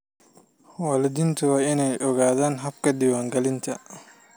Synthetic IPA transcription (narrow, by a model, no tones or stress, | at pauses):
walɐd̪ɪnt̪ʰʊwaːɪnɛjʔɔɣaːðaːnɦɐbkʰɐd̪ɪwaːŋɡɐlɪnt̪ʰɐ